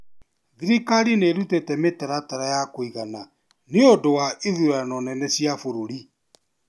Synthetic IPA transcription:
ðiɾikaɾineɾutetɛmetaɾataɾajakoiɣana | neodowaʔeðuɾanɔnɛnɛsiafoɾoɾi

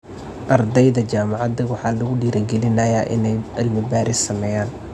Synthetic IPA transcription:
ʔɐrd̪ɛjðɐt͡ʃaːmɑʕɑd̪ɐwɑħɑːlɐɣʊɖiːɾɐɡɛlɪnɐjaːʔɪ̰nɛjɐlmɪbaːɾɪsɐmɛːjaːn

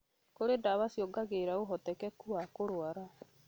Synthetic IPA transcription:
koɾedaβasjɔɡaɣeɾaoɦɔtɛkɛkuakoɾoaɾa

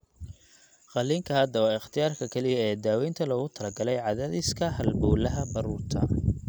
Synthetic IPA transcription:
qɑliːŋkʰɐɦɐd̪ɐwɑːɪχt̪ʰɪjaːrkʰɐkʰɐlɪjɐɛːd̪aːwɛjnt̪ʰɐlɔːɣʊt̪ʰɐlɐɡɐlɛjʕɑðaːðɪskʰɐhɐlbɔːlɐɦɐbɐɾuːrt̪ʰɐ̰

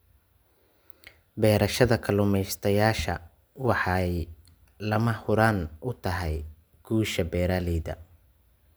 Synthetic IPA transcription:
bɛːɾɐʃɐðɐkʰɐlʊmɛjst̪ʰɐjaːʃɐ̰ | wɑħɑj | lɐmɐhʊɾaːnʊt̪ʰɐɦɛj | ɡ̥uːʃɐbɛːɾaːlɛːðɐ̰

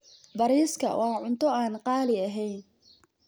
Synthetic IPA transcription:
bɐɾiːskʰɐ̰wʔɑːʕʊnt̪ʰɔaːnqɑːlɪɐɦɛjn

